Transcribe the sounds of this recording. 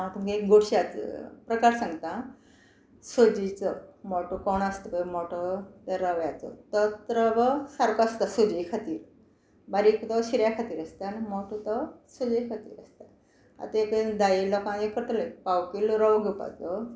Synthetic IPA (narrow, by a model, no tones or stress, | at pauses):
at̪umkeekɡoɽɕiat͡sə̰pɾəkaɾsãŋɡt̪ã | sod͡ʑit͡sɔmɔʈokɔnast̪əbəmɔʈot̪əɾaʋjat͡sɔ̰t̪ət̪ɾəbəsaɾkɔast̪asod͡ʑekʰat̪iːɾ | baɾikt̪ɔɕiɾjakʰat̪iːɾast̪animɔʈot̪ɔsod͡zekʰat̪ḭːɾa̰st̪a | a̰t̪aekd̪ailɔkãjekʰːəɾt̪ləjpawkeluɾɔʋɡəpa̰t͡sɔ